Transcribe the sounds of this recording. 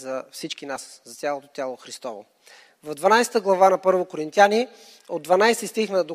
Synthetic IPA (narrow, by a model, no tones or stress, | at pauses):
zɐfsit͡ʃkinaszɐt̪sʲjalˠot̪o̥t̪ʲalˠoxɾist̪ɔvo̰ | vɐvd̪vɐnajsɛ̥t̪əɡlˠɐvanɐpɤɾvokoɾint̪jani | od̪vɐnajsɛst̪ixnəd̪o